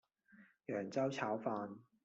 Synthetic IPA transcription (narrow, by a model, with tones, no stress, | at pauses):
jœː˨˩ŋt͡sɐ˥wt͡sʰaː˨˥wfaː˧n